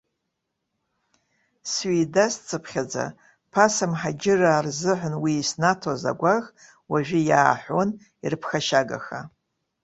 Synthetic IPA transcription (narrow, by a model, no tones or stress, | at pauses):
sɥidast͡sʼɨpʰχʲad͡za̰ | pʰasamħad͡ʒɪraːrzɨħʷʊnwiːsnatʰoza̰ɡʷaɣ | waʒʷᶣɪjaːħʷon | irɨpʰxaʃaɡa̰xa